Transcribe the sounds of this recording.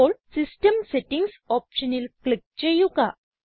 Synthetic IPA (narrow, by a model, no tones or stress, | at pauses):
olsisʈəmseʈiŋɡs | ɔpɕənilklik̚t͡ɕejuka